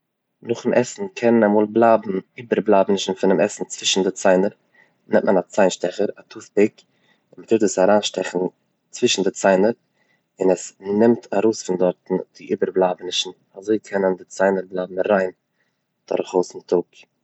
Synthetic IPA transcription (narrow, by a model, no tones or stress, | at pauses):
nʊχɪmʔɛsn̩kʰɛnənamuːlˠblˠaːbm̩iːbəɾblˠaːbnɪʃn̩fɪnɪmɛsn̩t͡sv̥ɪʃn̩dɪt͡saɪnəɾ | nɛmtmənat͡saɪnʃtɛχəɾatʰuːθbɪk | ɪnmɪtʰɪtdəsaɾaːnʃtɛχn̩ | t͡svɪʃn̩dɪt͡saɪnəɾ | ɪnɛsnɪmtʰaɾoʊsfɪndɔɾtn̩d̥ɪʔiːbəɾblˠaːbnɪʃn̩ | azoɪkʰɛnəndɪt͡saɪnəɾblˠaːbm̩ɾaɪn | d̥ɔ̰ɾχoʊsmɪtʰʊk